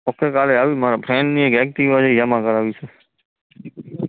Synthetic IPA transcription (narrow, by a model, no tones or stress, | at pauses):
okekaːleaːʋimaːɾapʰɾɛ̃ːɳɖniekɛk̚ʈ̪iʋad͡ʒejamãkəɾaːʋit͡ʃʰe